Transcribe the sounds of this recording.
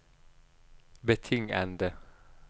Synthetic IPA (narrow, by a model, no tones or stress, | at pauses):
bət̪ʰʏŋa̰nd̪ə